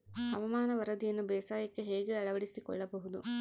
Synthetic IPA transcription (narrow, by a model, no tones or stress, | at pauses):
ɐʋɐmaːnɐʋɐɾɐd̪ijɐnːubɛːsaːjɐkːe̞ɦeːɡeɐɭɐʋɐɽisikɔ̰ɭːɐbɐɦud̪u